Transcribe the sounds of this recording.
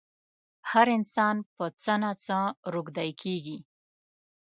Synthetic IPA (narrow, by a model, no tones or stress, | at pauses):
haɾɪnsɑnpət͡sənat͡səɾuɡd̪ajkʰeɡi